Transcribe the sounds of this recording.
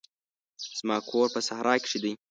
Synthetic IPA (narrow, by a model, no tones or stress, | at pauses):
z̥mɑːkʰoːɾpəsahɾʔɑːkɪ̥ʂid̪əj